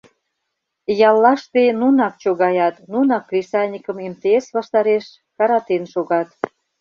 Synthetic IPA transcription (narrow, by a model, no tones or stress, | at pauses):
jɑlːɑʃt̪enunɑk̚t͡ɕoɣɑjɑt̪nunɑkːrʲisɑnʲikə̆memt̪eesβɑʃt̪ɑɾeʃ | kɑɾɑt̪enʃoɣɑt̪